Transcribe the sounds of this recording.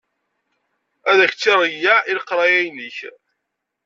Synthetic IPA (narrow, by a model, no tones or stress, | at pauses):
æðæç̥t͡sːiɾˤəjːæʔiləqɾˤɑjæjnəç